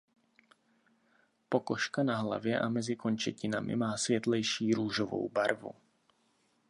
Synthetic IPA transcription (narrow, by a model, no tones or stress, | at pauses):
pokɔʃkanaɦla̰vjɛʔamɛzɪkoɲt͡ʃɛcɪnamɪ̰maːsvjɛt̪lɛjʃiːɾuːʒovo̰wbaɾvṵ